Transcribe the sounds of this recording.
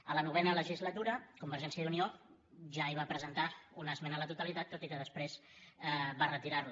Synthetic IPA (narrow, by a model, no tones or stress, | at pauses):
ələnuβ̞ɛnələʒizlət̪uɾəkumbəɾʒɛnsiəd̪unio | ʒaiβapɾəzənt̪aunəzmɛnələt̪ut̪əlit̪at̪ːot̪ikəðəspɾezɛβarət̪iɾaɾlu